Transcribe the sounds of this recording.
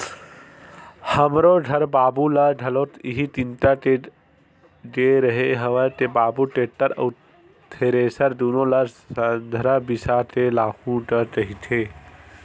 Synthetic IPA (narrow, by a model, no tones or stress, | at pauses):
həmɾoɖʱɐɾbaːbulaɾɖʱɐloːt̪iɦit̪int̪aʈe | d͡ʒeɾəɦeɦəʋət̪ebaːbuʈeːʈːəɾə̰ | t̪ʰeɾeːsəɾd̪uːnoləɾ | ənd̪ʱɾabisat̪ʰelaːkũɖəɾɾəɦit̪ʰe